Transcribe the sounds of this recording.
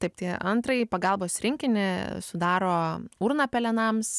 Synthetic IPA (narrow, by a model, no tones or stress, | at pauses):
t̪ɐɪpt̪ʲiɛʔɐnt̪ɾɐɪpɐɡɐlˠboːsɾʲɪŋʲkʲɪnʲɪsʊd̪ɑːɾoːuɾnɐːpʲɛlʲɛnɐms